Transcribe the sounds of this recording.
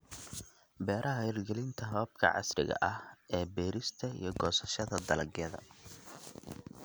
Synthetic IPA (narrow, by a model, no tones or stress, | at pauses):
bɛːɾʔɐɦɐjrɡɛlɪnt̪ʰɐɦɔːb̚kʰɐ̰ʕɑ̰srɪ̰ɣɐ̰ʔɐhʔɛːbɛːɾɪst̪ʰɐḭjɞɡɔːsɐʃɐðɐd̪ɐlɐɡjɐðɐ̰